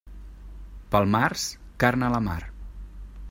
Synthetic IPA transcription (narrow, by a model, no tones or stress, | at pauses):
pəlˠmars | karnələma̰r